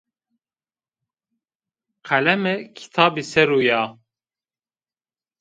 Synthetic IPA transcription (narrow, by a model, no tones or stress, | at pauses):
qʰælɛmɨkʰi̥t̪ʰɑːbisɛɾujaː